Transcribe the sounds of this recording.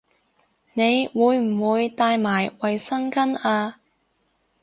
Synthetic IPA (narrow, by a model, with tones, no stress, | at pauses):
ne˨˧jwuː˨˧jm̩˨˩wuː˨˧jt̪aː˧jmaː˨˩jwɐ˨jsɐ˥ŋkɐ˥naː˧